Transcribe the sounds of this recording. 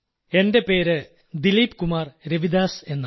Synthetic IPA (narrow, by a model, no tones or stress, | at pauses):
endepeːɾɨ | d̪iliːpkumaːrɾeʋid̪aːsenː